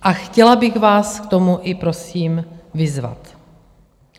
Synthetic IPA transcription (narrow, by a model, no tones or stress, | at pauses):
ʔaxcɛlabɪɣvaːskt̪o̞muʔɪpɾo̞siːmvɪzva̰t̪